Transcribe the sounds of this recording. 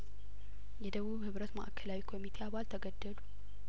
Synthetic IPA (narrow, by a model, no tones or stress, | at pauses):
jɛd̪əβuβhɨβɾət̪məʔakʰːəlawikʰo̞mit̪ʰe̞aβalt̪ʰəɡəd̪ːəlu